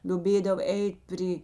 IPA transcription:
lʲoːˈbʲeːdɐw ˈɛɪtʲ ˈpʲrʲiː

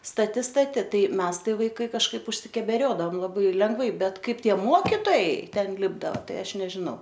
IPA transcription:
stɐˈtʲɪ stɐˈtʲɪ ˈtɐɪ ˈmʲɛs ˈtɐɪ ˈʋɐɪkɐɪ kɐʃˈkɐɪp ʊʃʲsʲɪkʲɛbʲɛˈrʲoːdɐʋɐm lˠɐˈbɐɪ lʲɛŋɡˈʋɐɪ ˈbʲɛt ˈkɐɪp ˈtʲiɛ ˈmoːkʲɪtoːjɛɪ ˈtʲɛn ˈlʲɪbdɐʋɐ ˈtɐɪ ˈɐʃ nʲɛʒʲɪˈnɐʊ

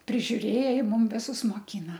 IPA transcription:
pʲrʲɪʒʲʊˈrʲeːjɛ ˈjɪ ˈmʊm ˈʋʲɪsʊs moːˈkʲiːnɐ

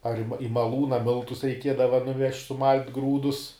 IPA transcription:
ɐr ɪ mɐ ɪ mɐˈlˠuːnɐ ˈmʲɪlˠtʊs rʲɛɪˈkʲiɛdɐʋɐ nʊˈʋʲɛʃʲtʲ sʊˈmɐlʲtʲ ˈɡruːdʊs

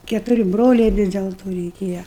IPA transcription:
kʲɛtʊˈrʲɪ ˈbroːlʲɛɪ ˈʋʲɪs dʲɛlˠ ˈtoː rʲɛɪˈkʲeːjɛ

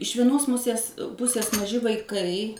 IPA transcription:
ɪʃ ʋʲiɛˈnoːs ˈmʊsʲeːs ˈpʊsʲeːs mɐˈʒʲɪ ʋɐɪˈkɐɪ

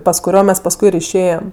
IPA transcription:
pɐs kʊˈrʲoː ˈmʲɛs pɐsˈkʊɪ ɪr ɪʃʲˈeːjɛm

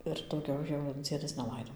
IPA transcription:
ɪr dɐʊˈɡʲɛʊ jɛʊ ˈd͡zʲiɛdɐs nʲɛˈlˠɐɪdoː

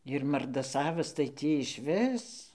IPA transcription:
ɪr mɐrdɐˈsɑːʋɐs tɐɪ ˈtʲiː ɪʃʲˈʋʲɪs

